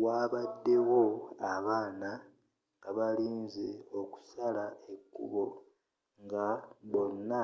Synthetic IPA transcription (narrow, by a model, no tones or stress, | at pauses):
waːβadːe̞wo̞aβaːna | ŋɡaβaliːnzeo̞ku̥salaekːṵβo̞ | ŋɡaβo̞nːa